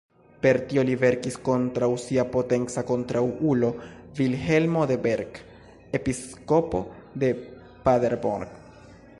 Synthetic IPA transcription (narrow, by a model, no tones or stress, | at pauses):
pe̞ɾt̪io̞live̞ɾkisko̞ntɾawsiapo̞te̞nt͡sako̞ntɾawulo̞vilɦe̞lmo̞d̪e̞be̞ɾɡ | episko̞po̞̰d̪e̞ | padeɾbo̰ɾɡ